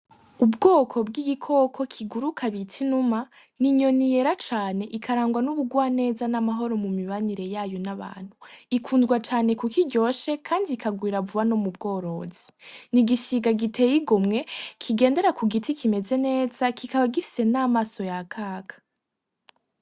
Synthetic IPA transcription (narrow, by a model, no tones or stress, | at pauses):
ubɡoːkʰo̞bɡiɡikʰo̞kʰo̞kʰiɡuɾukʰaβitʰinuma | niɲo̞nije̞ɾat͡ʃaːne̞ʔikʰaɾaːŋɡwanuβuɡwaːne̞ːzanamaɦo̞ɾo̞mumiβaniɾe̞jaːjo̞naβa̰ːn̥huikʰuːnzɡwat͡ʃaːne̞kukiɟo̞ːʃe̞kʰaːndiːkaɡwiːɾavuβanomub̚ɡo̞ːɾo̞ːzi̥niɡisiɡaɡitʰe̞jiɡomŋe̞kʰiɡe̞ːnde̞ɾakuɡitʰikʰime̞ze̞ne̞ːzakikaβaɡifi̥se̞naːmaːso̞jakʰaːkʰḁ